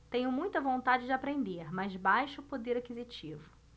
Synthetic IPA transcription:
t̪ẽɲʊmũj̃t̪ɐvõnt̪ad͡ʒɪd͡ʒɪapɾẽnd̪eɾmazbajʃʊpod̪eɾakizit͡ʃivʊ

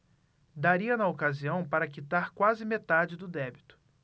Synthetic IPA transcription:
d̪aɾiɐnɐokaziɐ̃w̃paɾɐkit̪aɾkwazɪmet̪ad͡ʒɪd̪ʊd̪ɛbit̪ʊ̥

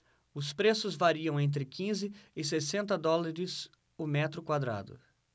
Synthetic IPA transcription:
ʊspɾesʊzvaɾiɐ̃w̃ẽnt̪̬ɾɪkʰĩzɪɪsesẽnt̪ɐd̪ɔlaɾɪs | ʊmɛt̪ɾʊkwad̪ɾa̰d̪ʊ̰

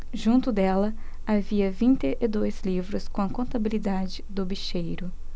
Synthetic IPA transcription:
ʒũnt̪ʊd̪ɛlɐ | aviɐvĩnt̪ɪʔɪd̪ojzlivɾʊskõɐkõnt̪abilid̪ad͡ʒɪd̪ʊbiʃejɾʊ

